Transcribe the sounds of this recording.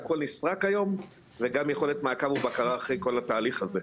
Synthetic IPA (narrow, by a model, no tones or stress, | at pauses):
ako̞lnisʁakajo̞m | veɡamjeχo̞let̪maːkavubakaʁaːχʁejko̞lat̪aːliχaze̞